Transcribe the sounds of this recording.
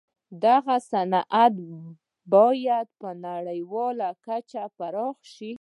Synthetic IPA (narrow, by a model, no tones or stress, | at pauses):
d̪aɣasanʔat̪ | bɑjad̪̚pənaɽəjwɑlakat͡ʃapaɾɑxʃi